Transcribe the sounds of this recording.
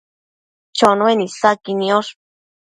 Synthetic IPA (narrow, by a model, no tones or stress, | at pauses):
t͡ʃonwenisakinioʂ